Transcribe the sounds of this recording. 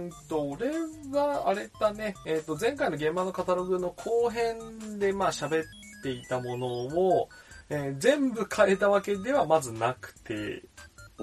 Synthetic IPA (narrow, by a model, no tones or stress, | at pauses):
t̪oɾe̞ɡaaɾe̞t̪ane̞ːt̪ːo̞zẽ̞ŋkaino̞ɡẽ̞mbano̞kat̪aɾo̞ɡɯ̟no̞kʰo̞ːɦẽ̞nd̪e̞maːɕabe̞t̪ːe̞it̪amo̞no̞oeːzẽ̞mbɯ̟kʰae̞t̪aβake̞d̪e̞βamazɨnakɯ̟̥t̪e̞̰